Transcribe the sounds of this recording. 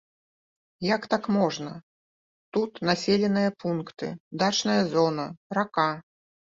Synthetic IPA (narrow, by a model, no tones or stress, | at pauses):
jakt̪akmɔʐnɐ | t̪ut̪nasʲelʲɛnɨjɐpunkt̪ɨ̰d̪at͡ʂnɐjɐzɔnɐraka